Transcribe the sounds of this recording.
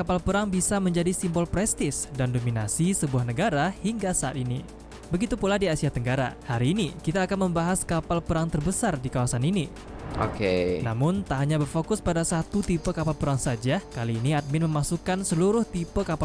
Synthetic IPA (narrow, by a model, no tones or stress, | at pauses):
kapalpəɾaŋbisaməɲd͡ʒadisimbɔlpɾɛst̪ɪsdandominasisəbuahnəɡaɾahiŋɡasaat̪ini | bəɡit̪upuladiasiat̪əŋɡaɾa̰haɾiːnikit̪aːkanməmbaɦaskapalpəɾaŋt̪ərbəsardikawasanini | o̰kenamʊnt̪aɦaɲabərfokʊspadasat̪ut̪ipəkapalpəɾaŋsad͡ʒakaliːniat̪̚mɪnməmasukansəluɾʊht̪ipəkapa